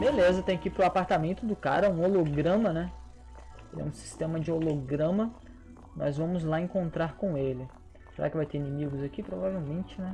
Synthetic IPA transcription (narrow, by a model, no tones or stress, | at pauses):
belezɐt̪ẽj̃ɐkipɾʊapaɾt̪amẽnt̪ʊd̪ʊka̰ɾɐũoloɡɾɐ̃mɐnɛ | elɛ̰ũsi̥st̪ẽmɐd͡ʒɪoloɡɾɐ̃mɐ | nɔ̰zvɐ̃mʊzlaẽŋkõnt̪ɾaɾkõw̃elɪ | seɾa̰kɪvajt̪einĩmiɡʊzakipɾovavewmẽnt͡ʃɪnɛ